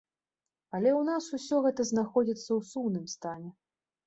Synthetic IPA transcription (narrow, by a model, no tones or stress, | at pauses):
ɐlʲɛwnasusʲɔɣɛt̪ɐznaxɔd͡zʲit̪sːɐwsumnɨmst̪anʲɛ